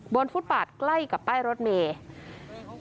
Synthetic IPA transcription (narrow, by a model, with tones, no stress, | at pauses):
bo˧nfu˦˥t̪̚pbaː˨˩t̪̚kla˥˩jka˨˩pːaː˥˩jɾo˦˥t̪̚meː˧